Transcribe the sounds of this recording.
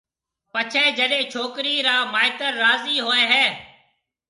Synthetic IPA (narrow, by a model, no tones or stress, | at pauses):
pət͡ʃʰɛ̃ːd͡ʒəɗẽːt͡ʃʰoːkɾiːɾaːmaːɪt̪əɾːaːziːɦoːɛ̃ːɦɛː